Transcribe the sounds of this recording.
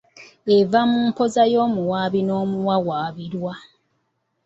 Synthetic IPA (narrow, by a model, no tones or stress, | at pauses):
evamuːmpo̞zajoːmuwaːβinoːmuwawaːβiɾwa